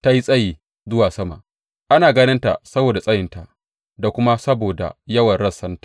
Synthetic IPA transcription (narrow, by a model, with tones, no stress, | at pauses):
ta˦ji˦sʼɐ˦jiː˨ | zʊ˦waː˨sɐ˦ma̰˨ | ʔa˦naː˨ɡɐ˦nɪ˦nta̰˨sɐ˦boː˨da˨sʼɐ˦jɪ˨nta˨ʔ | da˨kʷʊ˦ma˦sɐ˦boː˨da̰˨jɐ˦wɐ˨nɽɐ˦˨sːɐ˦ntḁ˨